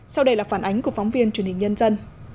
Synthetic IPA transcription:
sa˧wɗə˧jlaː˨˩faː˧˩nʔa˨˦jŋ̟ku˧˩əfɔ˨˦wŋ͡mvi˧ənt͡ɕwənhï˨˩ŋ̟ɲə˧nzə˧n

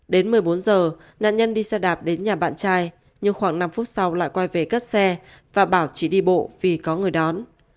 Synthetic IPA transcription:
ɗe˨˦nmɨ˨˩əjɓo˨˦nzəː˨˩ | na̰ː˧˨nɲə˧nɗi˧sɛ˧ɗaː˨˩p̚ɗe˨˦nɲaː˨˩ɓa̰ː˧˨nt͡ɕaː˧j | ɲɨ˧ŋxwaː˧˩ŋna˧mfu˦˥t̚sa˧wla̰ː˧˨jkwa˧jve˨˩kə˦˥t̚sɛ˧ | vaː˨˩ɓaː˧˩wt͡ɕḭ˧˩ɗi˧ɓo̰˧˨vi˨˩kɔ˨˦ŋɨ˨˩əjɗɔ˨˦n

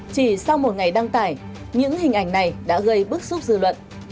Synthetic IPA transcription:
t͡ɕi˧˩sa˧wmo˨˩t̚ŋa˨˩jɗa˧ŋt̪aː˧˩j | ɲɨ̰˧˥ŋhï˨˩ŋ̟ʔa˧˩jŋ̟na˨˩jɗa̰ː˧˥ɣə˧jɓɨ˦˥ək̚zu˦˥p̚zɨ̰˧˨lwə̰˧˨n

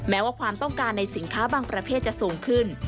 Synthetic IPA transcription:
mɛː˦˥waː˥˩kʰwaː˧mt̪ɔ˥˩ŋkaː˧nːa˧jsi˩˦nkʰaː˦˥baː˧ŋpɾa˧pʰeː˥˩t̪̚t͡ɕa˨ʔsuː˨˩ŋkʰɯ˥˩n

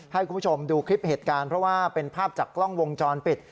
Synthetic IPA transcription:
ha˥˩jku˧pːʰo˧mduː˧kʰɾi˦˥p̚heː˨˩t̪̚kaː˧npʰɾɔ˦˥waː˥˩pe˧npʰaː˥˩p̚t͡ɕaː˨˩kːlɔ˥˩ŋwo˧ŋt͡ɕɔː˧npi˨˩t̪̚

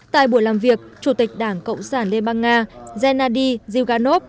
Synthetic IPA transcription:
t̪a̰ː˧˨jɓu˧˩əjlaː˨˩mvi˨˩ək̚t͡ɕu˧˩t̪i˨˩k̟̚ɗaː˧˩ŋkə̰˧˨wŋ͡msaː˧˩nli˧ɓaː˧nːaː˧zɛ˧naː˧ɗi˧zi˧wɣaː˧no˦˥p̚

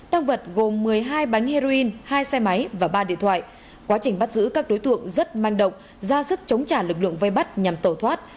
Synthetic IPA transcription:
t̪aː˧ŋvə˨˩t̚ɣo˨˩mːɨ˨˩əjɦaː˧jɓa˨˦jŋ̟he˧zo˧i˧nhaː˧jsɛ˧ma˨˦jvaː˨˩ɓaː˧ɗḭ˧˨ənt̪ʰwa̰ː˧˨j | kwaː˨˦t͡ɕï˨˩ŋ̟ɓa˦˥t̚zɨ̰˧˥kaː˦˥k̚ɗo˨˦jt̪ɨ̰˧˨əŋzə˦˥t̚ma˧jŋ̟ɗə̰˧˨wŋ͡m | zaː˧zɨ˦˥k̚t͡ɕə˨˦wŋ͡mt͡ɕaː˧˩lɨ˨˩k̚lɨ̰˧˨əŋvə˧jɓa˦˥t̚ɲa˨˩mt̪əː˧˩t̪ʰwaː˦˥t̚

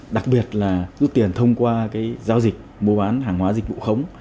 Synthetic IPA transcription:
ɗa˨˩k̚ɓi˨˩ət̚laː˨˩zu˦˥t̚t̪i˨˩ənt̪ʰə˧wŋ͡mkwaː˧kaː˨˦jzaː˧wzi˨˩k̟̚mo˧ɓaː˨˦nɦaː˨˩ŋhwaː˨˦zi˨˩k̟̚vṵ˧˨xə˨˦wŋ͡m

